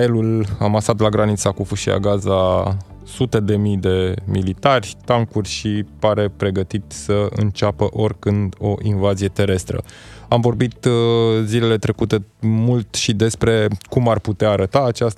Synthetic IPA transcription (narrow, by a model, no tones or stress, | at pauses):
jelula̰masat̪laɡɾanit̪sakufuʃia̰ɡaza | sut̪e̞d̪e̞mijd̪e̞milit̪arʲt̪aŋkurʲʃipaɾe̞pɾe̞ɡət̪it̪səɨ̰nt͡ʃapəʔo̞rʲkɨnd̪o̞ʔinvazije̞t̪e̞ɾe̞st̪ɾə̰amvo̞rbit̪zile̞le̞t̪ɾe̞kut̪e̞mult̪ʃid̪e̞spɾe̞kumarput̪eaːɾət̪aːt͡ʃast̪